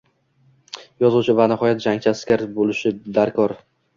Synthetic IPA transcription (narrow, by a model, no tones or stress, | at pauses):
jɒzuwt͡ʃʰɪvanɪhɒjat̪̚d͡ʒaŋt͡ʃʰaskʲaɾbolɪʃɪd̪aɾkʰɒɾ